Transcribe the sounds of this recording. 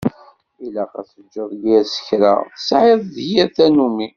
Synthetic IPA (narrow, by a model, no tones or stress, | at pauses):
ilæqæ̰θəd͡ʒːəðˤɡiæsə̥çɾa̰θə̥sʕeðˤðhɪɾθænumi